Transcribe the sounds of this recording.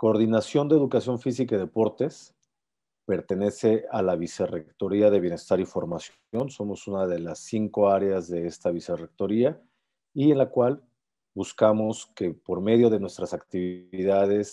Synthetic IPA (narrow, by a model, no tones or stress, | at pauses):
ko̞ːɾðinasjo̞nd̪eðukasjo̞ɱfis̬ikaiðe̞po̞ɾt̪e̞s | pe̞ɾt̪e̞ne̞se̞alaβ̞ise̞rekt̪o̞ɾiaðe̞βje̞ne̞st̪aɾifo̞ɾmas | o̞nso̞mo̞sunaðe̞lasːiŋko̞aɾeazðe̞est̪aβ̞ise̞re̞k̚t̪o̞ɾia | ie̞nlakwal | buskamo̞ske̞po̞ɾme̞ðjo̞ð̞e̞nwe̞st̪ɾasakt̪iβiðað̞e̞s